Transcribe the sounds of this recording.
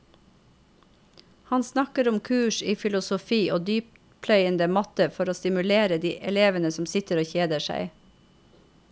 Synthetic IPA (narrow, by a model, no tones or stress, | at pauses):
hɑnsnɑkəɾʊmkʰʉːʃiːfɪlʊsʊfiːʔoːd̪yːp̚ | pʰlœʏənd̪əmɑt̪əfɔɾoːst̪ɪmʉleːɾəd̪iːʔɛleːʋənəsɔmsɪt̪əɾoːçeːd̪əʃæ̰ɪ